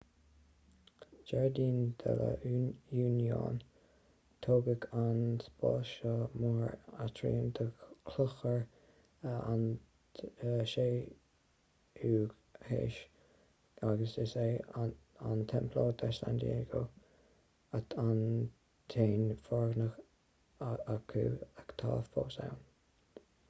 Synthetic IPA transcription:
d͡ʒɛɹd̪iːnd̪ɛ̰lə̰juːnjo̰ːn | t̪ʰoːɡəkʰanspɑ̰ːlʃəmɔɹat̪ʰɾḭːnd̪əkʰlʊxəɹ | an | ʃeː | uːɡ | hḛːʃ | aɡəsɪseː | ant̪ʰɛmpʰloːd̪ɛʃla̰nd̪ḭeɡo | atʰan | t̪ʰeːnfɔɹɡnəx | akʰṵːakt̪ʰɑ̰ːfboːsa̰wn

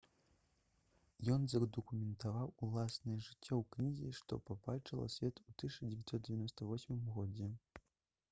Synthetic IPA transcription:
jɔnzɐd̪ɐkumʲɛnt̪avawulˠasnɨjʐɨt͡sʲːɔwknʲiɣʲiʂt̪ɔ̰pabalʲt͡ʂɐlˠɐ̰sʲvʲɛt̪ut̪ɨʂɐd͡zʲevʲɛt̪ʲsɔt̪̚d͡zʲevʲanɔst̪ɐvɔsʲmɨmɣɔd͡zʲɛ

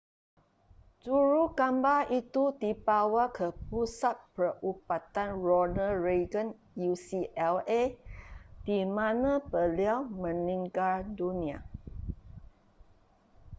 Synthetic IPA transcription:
d͡ʒuɾukambaʔit̪udibawakʰəpusat̪̚pəʔupat̪anɹɔnəɹeɡən | jusiʔɛle | d̥imãnãbəliawmə̃nĩŋɡaldunĩa

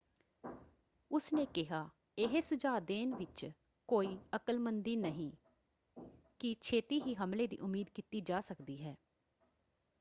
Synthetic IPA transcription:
ʊsneːkɪɦaː | ɪɦesʊd͡ʒaːd̪eːnʋɪt͡ʃ | koːiːəkəlmənd̪iːnəɦĩː | kɪt͡ʃʰeːt̪iːɦiːɦəmleːd̪ḭːʔʊmːiːd̪kiːt̪iːd͡ʒaːsəkd̪iːɦɛː

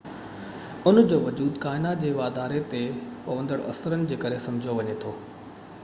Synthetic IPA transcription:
ʊnd͡ʑoːʋɐd͡ʑuːd̪kaːɪnat̪̚d͡ʑeːʋaːd̪aːɾet̪epɐʋə̃nd̪əɽɐ̰səɾənɪ̆d͡ʑeːkɐɾesɐ̃md͡ʑʱijoʋɐɲet̪ʰoː

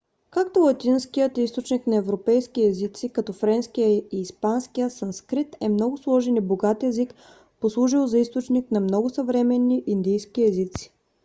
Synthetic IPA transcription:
kakt̪olˠɐt̪inskiət̪ist̪ot͡ʃniknɐɛvɾopɛjskiɛzit̪sikɐt̪ɔfɾɛnskijəiːspanskijəsɐnskɾit̪ɛmnɔɡʊslˠɔʒɛnɛboɡat̪ɛzik | poslˠuʒilˠzɐist̪ot͡ʃniknɐmnɔɡʊsɐvɾɛmɛnːiʔind̪ijskiɛzit̪si̥

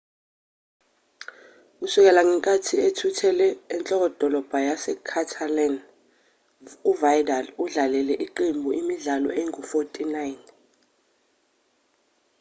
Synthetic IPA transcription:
k̬usuk̬ɛlaŋɛŋkʼatʰietʰutʰɛlɛːnt͡ɬʼɔk̬ɔd̥ʱɔlɔb̥ʱajasɛkʰatʰalɛn | uvajdaluɮalɛlɛʔiǃembʱuʔimiɮalɔ̰eŋufotʼinajn

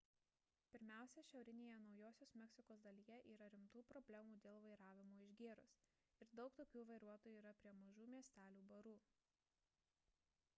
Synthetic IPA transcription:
pʲɪɾʲmʲæˑʊsʲɛʃʲɛʊɾʲɪnʲeːjɛnɒʊjoːsʲoːsmʲɛksʲɪkoːsd̪ɐlʲijɛʔiːɾɐɾʲɪmt̪uːpɾɔbʲlʲæmuːd̪ʲeːlˠʋɐɪɾɑːʋʲɪmoːɪʒʲɡʲeːɾʊs | ɪɾd̪ɒʊkt̪oːkʲuːʋɐɪɾuɔt̪oːjuiːɾɐpʲɾʲiɛmɐʒuːmʲiɛsʲt̪ʲæːlʲuːbɐɾuː

